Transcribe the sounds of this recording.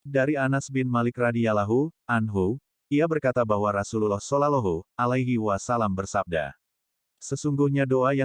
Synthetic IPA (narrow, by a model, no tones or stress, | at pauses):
daɾianasbɪnmalɪkradialaɦuanɦu | iabərkat̪abaɦwaɾasululɔhsɔlalɔɦualajɦiwasalambərsab̚da̰ | səsuŋɡuhɲadoaja